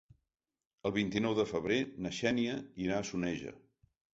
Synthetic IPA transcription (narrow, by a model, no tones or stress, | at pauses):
əlˠβ̞int̪inɔwðəfəβɾenəʃɛniəiɾaːsunɛʒə̰